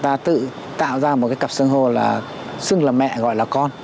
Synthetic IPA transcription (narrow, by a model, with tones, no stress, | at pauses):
t̪aː˧t̪ɨ̰˧˨ | t̪a̰ː˧˨wzaː˧mo˨˩t̚kaː˨˦jkə˨˩p̚sɨ˧ŋɦo˧˩laː˨˩ | sɨ˧ŋlaː˨˩mɛ̰˧˨ɣɔ̰˧˨jlaː˨˩kɔ˧n